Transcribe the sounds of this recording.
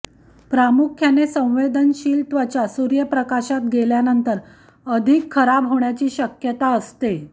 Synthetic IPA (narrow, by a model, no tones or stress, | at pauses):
pɾamukʰjanesə̃w̃ʋed̪ʱənɕiːlt̪ʋət͡ɕjasuɾjəpɾəkaɕat̪̚ɡeljanənt̪əɾ | əd̪ʱikʰːəɾabɦoɳjat͡ɕiːɕəkjət̪aəst̪e